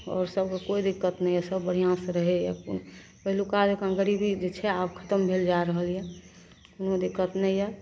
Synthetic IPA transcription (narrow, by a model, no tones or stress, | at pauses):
ɔ̰ːɾsəb̚kekoid̪ikːət̪nəijɛsəbːəɽ̤ijãsɾəɦejɛ̰ | pəɦilukad͡ʒkãŋɡəɾibʱid͡ʒet͡ʃʰɛabkʰə̥t̪əmbʱeld͡ʒaɾəɦəljɛ | unod̪ikːət̪nɛjɛ